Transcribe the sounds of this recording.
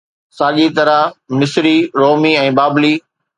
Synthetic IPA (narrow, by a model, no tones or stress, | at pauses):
saːʄit̪ɐɾamɪsɾiɾoːmiɛ̃ːbaːbliː